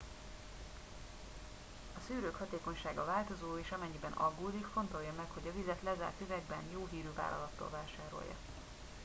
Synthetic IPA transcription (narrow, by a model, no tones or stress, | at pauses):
ɒsyːɾøːkhɒt̪eːkoɲʃaːɡɒvaːlt̪o̞zoːeːʃɒmɛɲːibɛnɒɡːoːd̪ikfo̞nt̪o̞jːɒmɛkho̞ɟɒvizɛt̪lɛza̰ːrt̪yvɛɡ̚bɛnjoːɦiːɾyːva̰ːlʔɒ̰lɒt̪ːo̰ːlvaːʃaːɾo̞̰jːɒ̰